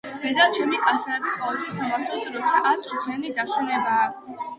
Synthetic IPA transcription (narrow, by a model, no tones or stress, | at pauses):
ɾɛd̪at͡ʃʰɛmikʼasɾɛbiχaut̪ɛt̪ʰamasɔd̪ɾɔt̪sʰaʔat̪ʼut̪ʰianid̪aʃunɛbaː